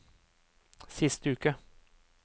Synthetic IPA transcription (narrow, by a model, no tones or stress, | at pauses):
sɪst̪əʉːkə